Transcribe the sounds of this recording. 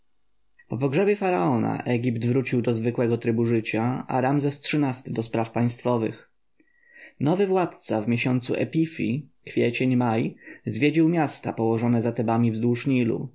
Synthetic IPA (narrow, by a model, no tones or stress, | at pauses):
pɔp̬ɔɡʐɛbʲjɛfaɾaɔna̰ʔɛɡʲipt̪vɾut͡ɕiwd̪ɔzvɘkwɛɡɔt̪ɾɘbuʐɘt͡ɕaa̰ɾamzɛstʂɘnast̪ɘd̪ɔspɾafpaj̃st̪fɔvɘ̰x | nɔvɘvwat̪t̪savmʲeɕɔnt̪sṵʔɛ̰pʲifʲikfʲjet͡ɕeɲmajzvʲjed͡ʑiwmʲjast̪apɔwɔʐɔnɛzat̪ɛbamʲivzd̪wuʂɲilṵ